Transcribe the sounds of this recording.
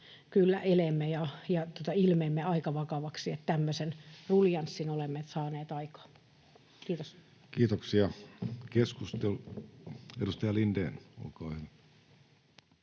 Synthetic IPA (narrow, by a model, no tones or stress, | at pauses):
kylːæʔelemːejɑjɑt̪ot̪ɑilmeːmːeɑikɑʋɑkɑʋɑksiet̪t̪æmːøsenruljɑnsːinolemːeːt̪sɑːneːt̪ɑikɑ̥ː | kiːt̪os | kiːt̪oksiɑkeskust̪elu | edust̪ɑjɑlindḛːno̰lkɑːhyʋæ